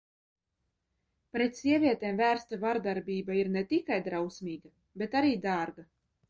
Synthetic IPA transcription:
pɾet̪sʲiɛvʲiɛt̪eːmvæːɾst̪avaɾd̪aɾbʲiːbaiɾnɛt̪ikajd̪ɾawsmʲiːɡa | bʲet̪aɾiːd̪aːɾɡa

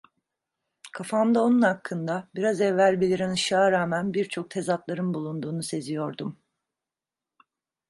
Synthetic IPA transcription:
kʰafamd̪ao̞nunhakʰːɯnd̪abiɾazɛvːælʲbilʲiɾanɯʃaːɾaːmænbiɾt͡ʃʰo̞k̚t̪ʰe̞zat̪lˠaɾɯnbulˠund̪uːnuse̞zijo̞ɾd̪um

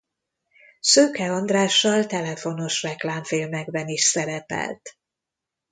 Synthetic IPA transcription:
søːkɛɒnd̪raːʃːɒlt̪ɛlɛfo̞no̞ʃrɛklaːɱfiːlmɛɡbɛniʃsɛɾɛpɛ̰lt̪

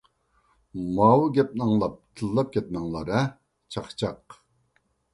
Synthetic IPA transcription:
mɑːwɨɡʲɛp̚nɨŋlˠɑp̚t̪ʰɨlˠːɑp̚kʲʰɛt̪̚mɛŋlˠɑɾə | t͡ʃʰɑχt͡ʃʰɑq

